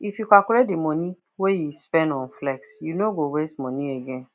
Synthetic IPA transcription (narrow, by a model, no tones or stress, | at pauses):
ifjukakulɛdimɔ̃nĩ | wejuspɛ̃ndɔ̃nflɛksjunoɡowestmɔ̃nĩeɡɛ̃n